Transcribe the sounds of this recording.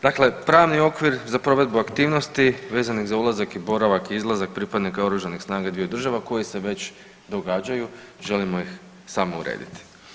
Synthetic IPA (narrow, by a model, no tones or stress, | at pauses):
d̪akle̞pɾaːʋnio̞kʋiɾzapɾo̞ʋe̞d̪̚buakt̪iːʋno̞st̪iʋe̞ːzaniɣzaulˠazakibo̞ɾaʋakiizlˠazak̚pɾipad̪nikaoɾuʒanixsnaːɡad̪ʋijod̪r̩ʒaʋako̞jise̞ʋe̞t͡ɕ | d̪o̞ɡaːd͡ʑajuʒe̞limo̞jix | saːmoṵɾḛːd̪ḭt̪i̥